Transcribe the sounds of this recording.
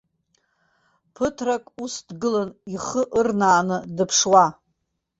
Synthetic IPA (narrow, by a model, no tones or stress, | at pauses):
pʰɨtʰrakʼusdɡɨlaniχəʔɨrnaːnɨdɨpʰʂwa